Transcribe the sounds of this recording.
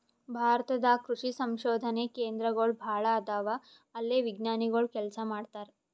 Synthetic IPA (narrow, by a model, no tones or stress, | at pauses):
bʱaːɾt̪ɐd̪akɾuʂisɐmʃoːd̪ʱɐnekeːnd̪ɾɐɡɐɭbʱaːɭɐːd̪aːʋa | ɐlːeːʋiɡnaːniɡɐɭkɛlsamaːɽt̪aːɾe